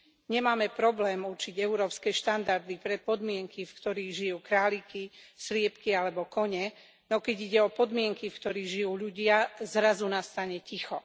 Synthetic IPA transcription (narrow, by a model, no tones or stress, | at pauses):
ɲɛmaːmɛpɾɔblɛːmuɾt͡ʃiɟɛuɾɔːpskɛːʃt̪and̪aɾd̪ipɾɛpɔd̪mɪɛŋkifkt̪ɔɾiːɣʒijuːkɾaːlikislɪɛpkialɛbɔkɔɲɛ | nɔkɛɟiɟɛɔpɔd̪mɪɛŋkifkt̪ɔɾiːɣʒijuːʎuɟɪazɾazunast̪aɲɛcixɔ